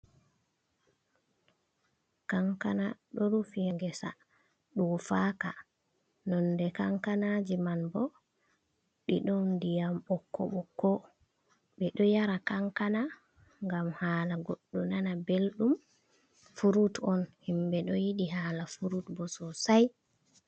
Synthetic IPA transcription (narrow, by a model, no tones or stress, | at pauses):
kaŋkanaɗɔɾufijaŋɡɛsa̰ | ɗufaːka | nɔndɛkaŋkanad͡ʒimanbɔ | ɓḭɗɔndijamɓɔkːɔ̰ɓɔkɔ | ɓɛɗɔjaɾakaŋkana | ŋɡamhaːlaɡoɗːunanabelɗum | fuɾutɔnhimbɛɗɔjiɗiɦaːlafuɾutbɔsɔsaj